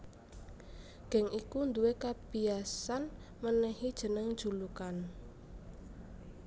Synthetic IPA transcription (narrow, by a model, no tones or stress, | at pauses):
ɡ̥ɛ̤ŋʔikund̪uwekab̥iasan | mənɛhid̥ʒ̥ə̤nəŋ̥ʒ̥ṳlukan